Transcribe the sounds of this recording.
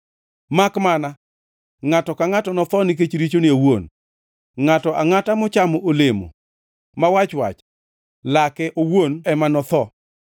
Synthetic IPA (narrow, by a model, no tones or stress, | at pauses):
makmana | ŋatɔkaŋatɔnɔt̪ɔnɪk̬et͡ʃɾit͡ʃoniowon | ŋatɔʔaŋatamɔt͡ʃamɔʔolemo̰ | mawat͡ʃwa̰t͡ʃ | lakɛʔowonɛmanɔt̪ɔ